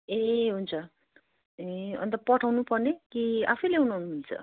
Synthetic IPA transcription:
eɦunt͡sʰʌ | eʌ̰nt̪ʌpʌʈʰawnupʌrnekia̰pʰʌjleunaɦnumilt͡sʰʌ̰

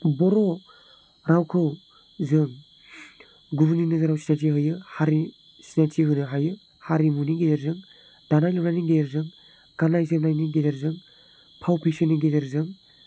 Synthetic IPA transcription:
bɔɾɔ | ɾawkʰɯw | zɯŋ | ɡubninɯzaɾawsi̥nat̬iɦɯjɯhaɾi | sinatʰiɦɯnɯɦajɯ | haɾimuniɡedeɾzɯŋ | d̥anajlɯbnajniɡedeɾzɯŋ | ɡ̥anajzɯmnajniɡedeɾzɯŋ | pʰawpʰeseniɡedeɾzɯŋ

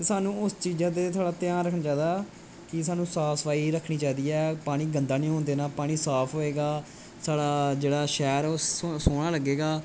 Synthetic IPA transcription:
t̪esaːnũːʊst͡ʃiːd͡ʒãːt̪̬eːt̪ʰaːɽaːt̪jãːnɾəkʰənat͡ʃaːd̪aː | kɪsaːnũːsaːpʰsəpaːiːɾəkʰɳiːt͡ʃaːd̪iːɛːpaːɽ̃ĩːɡənd̪aːnĩːɦõːnd̪eːnaːpaːɽ̃ĩːsaːpʰɦoːeːɡaː | saːɽaːd͡ʒeːɽaːʃɛːɾosoːɽ̃aːləɡːeːɡaː

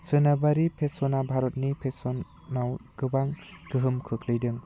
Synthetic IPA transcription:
sɯnabaɾipʰesɔnabʱaɾɔt̚nipʰesɔn | nawɡ̥ɯbaŋɡ̥ɯɦɯmkʰɯkʰlɯjdɯŋ

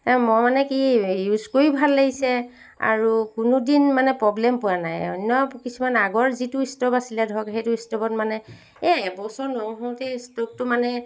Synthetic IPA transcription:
mɔmanɛkijuzkoɹibʱalːaɡisɛ | a̰ɹukunudinmanɛpɹɔblɛmpʊanajɔ̰nɔkisumanaɡɔɹzitʊistɔbasilɛdʱɔkɦejtʊistɔbɔt̚manɛ | ɛbɔsɔɹnɔɦɔtɛstok̚tʊmanɛ

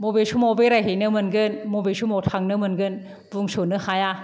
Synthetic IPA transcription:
mobesʰumobeɾajɦenɯmɯnɡɯnmobesumotʰaŋnɯmɯnɡɯn | buŋsonɯhaja

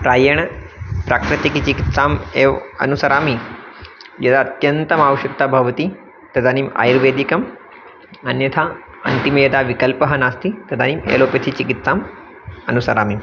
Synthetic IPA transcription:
pɾaːjɐɳ̃pɾakɾɐt̪ikit͡ʃikit̪saːmeʋɐ̰nusɐɾaːmi | jɐd̪at̪jɐnt̪ɐmaːʋɐʃɐk̚t̪aːbʱɐʋt̪i | t̪ɐd̪anima̰jɾʋeːd̪ikɐm | ɐnjɐt̪ʰa | ɐ̰nt̪imɐjɐd̪aːʋikɐlpɐɦɐnaːst̪it̪ɐd̪animḛːloːpjɐt̪ʰit͡ɕikit̪saːm | ɐnusɐɾaːmim

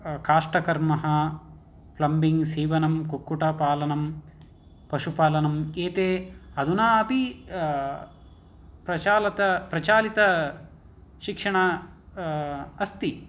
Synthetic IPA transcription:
kaːʂʈɐkɐɾmɐɦɐ | plɐmbiŋsiːʋɐnɐmkukːuʈɐpaːlɐnɐm | pɐʃupaːlɐnɐmeːt̪eːɐd̪unaɐpi | pɾɐt͡ʃaːlɐt̪ɐpɾɐt͡ʃaːlit̪ɐ | ʃikʂɐɳɐ | ɐst̪i

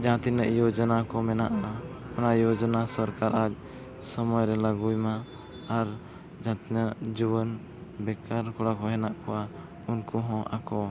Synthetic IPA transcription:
d͡ʒaɦãt̪inəʔjod͡ʒɔnakɔmɛnaʔaɔnaʔjɔd͡ʒɔnasɔɾkaɾʔad͡ʒ̚ | səmɔjɾɛlaɡujmaː | ɾ | d͡ʒaãt̪inəʔd͡ʒubən | bɛkaɾkɔɽakɔɦɛnaʔkɔa | unkuɦɔ̃ʔa̰kɔ

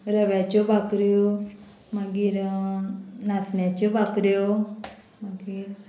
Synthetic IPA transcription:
ɾəʋjat͡ʃobakɾjo | maɡiːɾ | nasnjat͡ɕobakɾjo | maɡiɾ

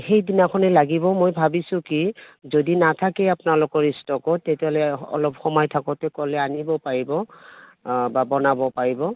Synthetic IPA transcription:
xejdinakʰɔnɛlaɡibɔmojbʱabisʊ̃kizodinatʰakɛapʊnalʊkɔɹistɔkɔtːetɛɦɔlɛɔ̰lɔpxɔmajtʰakɔtɛkɔlɛanibɔpaɹibɔ | babɔnabɔpaɹibɔ

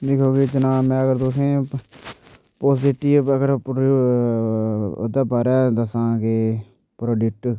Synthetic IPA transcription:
d̪ekʰoːɡeːd͡ʒənãːmɛ̃ːəɡəɾd̪osẽː | poːsɪʈiːəɡəɾpː | o̰d̪aːpəɾɛ̃ːd̪əsãːkeː | pɾoːɖɪk̚ʈ

